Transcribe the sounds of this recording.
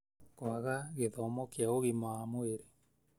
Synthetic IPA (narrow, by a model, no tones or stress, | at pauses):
kwaɣaɣeðɔmɔkjaoɣimaːmoeɾe